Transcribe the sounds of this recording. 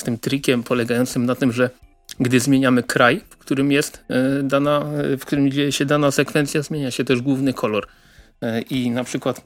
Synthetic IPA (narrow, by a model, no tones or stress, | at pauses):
st̪ɘmt̪ɾʲikʲɛmpʰɔlɛɡajɔnt̪sɘmnat̪ɘmʐɛ | ɡd̪ɘzmʲjeɲamɘkɾajfkt̪uɾɘmjɛst̪d̪anafkt̪uɾɘmd͡ʑejɛɕɛd̪anasɛkfɛnt̪sjazmʲeɲaɕɛt̪ɛʐɡwuvnɘkʰɔlɔɾ | inapʂɘkwat̪